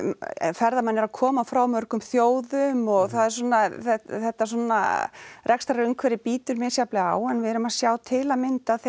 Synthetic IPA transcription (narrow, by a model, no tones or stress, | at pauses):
fɛɾðamanːɛɾaðkʰɔːmafɾawmœɾkʏmθjoːwðʏmɔɣθaðɛɾsɔnaθɛθɛht̪ːasɔːnːa̰rʔɛkst̪aɾœŋkʰvɛɾɪpiːt̪ʏɾmɪsjaplɪa̰ːwɛnvɪðɛɾʏmaðsjaːwt̪ʰɪlamɪnt̪aðθ